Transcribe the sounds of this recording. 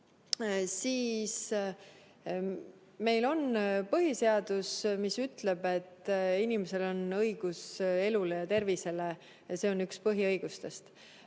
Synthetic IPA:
siːs | me̞jlo̞npɤɦise̞ɑd̪usmisyt̪le̞b̥e̞t̪ːinimese̞lo̞nɤjɡ̥use̞lule̞jɑt̪e̞rvise̞le | se̞o̞nːykspɤɦiɤjɡ̥ust̪e̞st̪

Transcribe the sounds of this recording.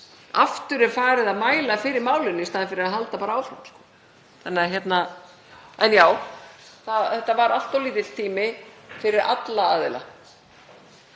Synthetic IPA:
aft̪ʏɾɛɾ̥faːɾɪðaðmaːjlafɪːɾɪɾmaːwlʏnːɪist̪aːðɪfɪɾɪɾaðɦalt̪apaːɾaaːwfɾa̰mskɔ̥ː | θanːɪaçjɛt̪na | ɛnjaːwθaðθɛht̪ːavaɾal̥t̪ɔwliːt̪ɪ̥t̪ʰiːmɪfɪɾɪɾʔa̰t̪laaːðɪ̰la̰

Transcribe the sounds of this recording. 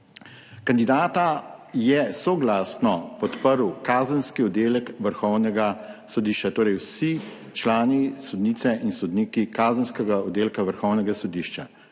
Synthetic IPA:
kand̪id̪aːt̪ajɛsɔɡlasnɔpɔt̪pəɾwkaːzənskiɔd̪eːlɛkʋəɾxɔwnɛɡasɔd̪iːʃt͡ʃat̪oːɾɛjwsi | t͡ʃlaːnisɔd̪niːt̪sɛʔinsɔd̪niːkikaːzənskɛɡaɔd̪eːlkaʋəɾxɔwnɛɡasɔd̪iːʃt͡ʃa̰

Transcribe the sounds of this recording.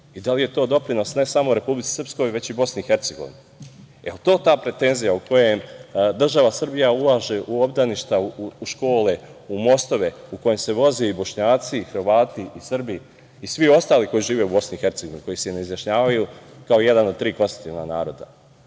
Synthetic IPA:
id̪alije̞t̪o̞ːd̪o̞pɾino̞sne̞samo̞uɾe̞publit̪i̥sr̩psko̞jʋe̞t͡ɕibo̞sniixe̞ɾt̪se̞ɡo̞ʋḭnu | eot̪o̞ːt̪aːpɾe̞t̪e̞nzijauko̞je̞md̪r̩ʒaʋasr̩bijaulˠaːʒe̞ʔuo̞bd̪aniʃt̪auʃko̞ːle̞umo̞st̪o̞ʋe̞uko̞je̞mse̞ʋo̞zeibo̞ʃɲaːt̪sixr̩ʋaːt̪iːsr̩biː | sʋio̞st̪aːliko̞jiʒiːʋe̞ubo̞sniixe̞ɾt̪seɡoinuko̞jiseneizjaʃɲaːʋajukaoije̞d̪anot̪ɾiːko̞nst̪i̥t̪iːʋna̰na̰ːɾo̞ːd̪a̰

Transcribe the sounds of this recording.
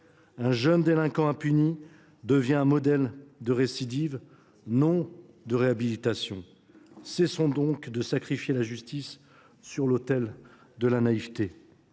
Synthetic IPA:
ɛ̃ʒənd̪elɛ̃kɑ̃ɛ̃pyni | d̪əvjɛ̃ɛ̃mɔd̪ɛld̪əʁesid̪iv | nɔ̃ | d̪əʁeabilit̪asjɔ̃ | sesɔ̃d̪ɔ̃kd̪əsakχifjelaʒyst̪isː | yʁlot̪ɛl | d̪əlanaivt̪e

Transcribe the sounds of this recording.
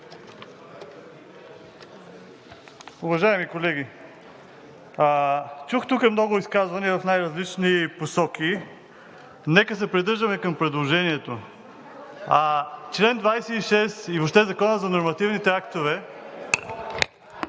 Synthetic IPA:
ʊvɐʒajɛmikolɛɡi | t͡ʃuxt̪ukəɛmnɔɡʊiskazvɐniəvɐfnajɾɐzlit͡ʃniposɔk̟i | nɛkəs̬ɛpɾid̪ɤɾʒd̪əmɛkɐmpɾɛd̪lˠoʒɛniɛt̪o | at͡ʃlɛnd̪vajsɛiʃɛsiboʃt̪ɛzɐkɔnəzɐnoɾmɐt̪ivnit̪ɛakt̪ovɛ

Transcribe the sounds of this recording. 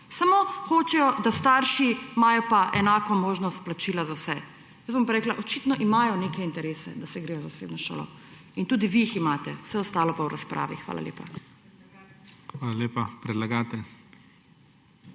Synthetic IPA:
samoxoːt͡ʃɛjɔd̪ast̪aːɾʃimaːjɔpaʔɛnaːkɔmoːʒnɔst̪̚plat͡ʃiːlazawsɛ | jəsbɔmpɾeːklaʔɔt͡ʃit̪nɔʔimajɔnekɛint̪ɛɾeːsɛ̰d̪asɛɡɾeːjɔzaseːbnɔʃo̰ːlɔ̰ | int̪uːd̪iʋiiximaːt̪ɛw̥sɛɔst̪aːlɔpawɾaspɾʔa̰ːʋixʋa̰ːla̰ljḛːpa̰ | xʋaːlaleːpapɾɛd̪laɡat̪ɛl

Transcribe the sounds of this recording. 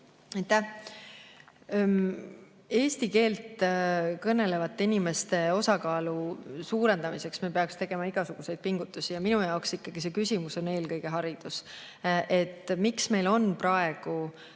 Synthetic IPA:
ɑjt̪ːæh | e̞ːst̪ike̞ːlt̪kɤnːe̞le̞vɑt̪ːeinime̞st̪e̞o̞sɑkɑːlusuːɾe̞nd̪ɑmise̞ksmipe̞ɑkst̪e̞ɡ̥e̞mɑiɡ̥ɑsuɡ̥use̞jd̪̥̚piŋɡ̥ut̪ːˑusijɑminujɑoksikːɑɡ̥ise̞kysʲimuso̞ne̞ːlkɤjɡ̥e̞ɦɑɾid̪̥us | ʔe̞t̪ːˑmiksme̞jlo̞nprɑe̞ɡ̥u

